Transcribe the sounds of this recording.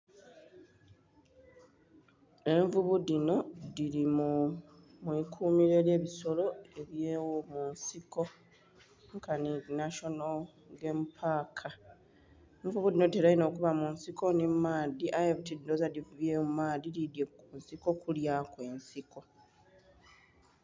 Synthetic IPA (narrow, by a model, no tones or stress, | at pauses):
e̞ɱvuβudino̞diɾimu | mwikʰuːmiɾe̞ːlje̞ːβiso̞lo̞e̞βjeːwomunsiko̞ | ŋkʰaninaʃo̞no | ɡempʰaːkʰa | eɱvuβudino̞teɾaino̞ːkuβamunsiko̞nimaːdiʔajeβtiddozadivuβjemumaːðilidjekunsiko̞kuljakwe̞ːnsikʰo̞